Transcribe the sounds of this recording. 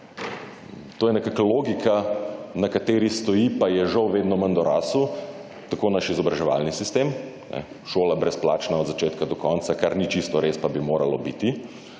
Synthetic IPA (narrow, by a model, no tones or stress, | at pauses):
t̪oːjɛnɛkakaloːɡikʰanakat̪eːɾist̪ɔjipajɛʒɐwʋeːd̪nɔmɐnd̪ɔɾaːsu | t̪akoːnaʃizɔbɾaʒɛʋa̰lnisist̪eːm | nɛ̰ | ʃoːlabɾɛsplaːt͡ʃnaɔd̪zat͡ʃeːt̪kad̪ɔkɔnt̪sakaɾnit͡ʃist̪ɔɾespabimoːɾalɔ̰biːt̪i